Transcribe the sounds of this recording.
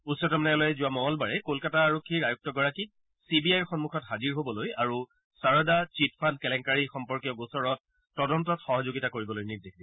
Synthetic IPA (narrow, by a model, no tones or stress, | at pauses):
usɔtɔmnɛɔlɔjɛzʊwamɔɦɔlbaɹɛkolkataːɹokʰːiɹajuk̚tɔɡɔɹaki | sibiajɹxɔnmukʰɔtɦaziɹɦobɔlojaɹu | saɹɔdat͡ʃitpʰankɛlɛŋkaɹixɔmpɔɹkijɔɡosɔɹɔt̚ː | ɔdɔntɔtxɔɦɔzoɡitakoɹibɔlojniɹdexʰdi